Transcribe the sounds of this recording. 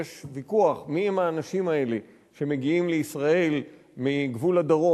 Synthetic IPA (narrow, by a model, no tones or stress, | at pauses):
eʃvikuaχmiemaːnaʃimae̞le | ʃe̞me̞ɡiimleisʁae̞l | miɡvulad̪aʁo